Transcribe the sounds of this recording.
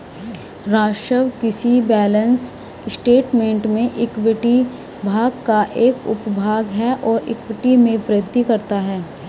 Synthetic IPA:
ɾaːʃɾəʋkɪsibɛːlə̃ns | sʈeːʈmẽːɳʈmẽʔɪkwɪʈi | bʱaːɡkaʔeːkʊ̰pbʱaːɡɦɛʔɔːɾɪ̰kʋɪʈimẽʋɾɪd̪ʱːikɐɾt̪aɦɛː

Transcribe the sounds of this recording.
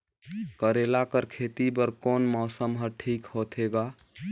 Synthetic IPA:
kəɾelakəɾkʰet̪ibəɾkonmɔːsəmɦəʈʰiːkhot̪ʰeɡa

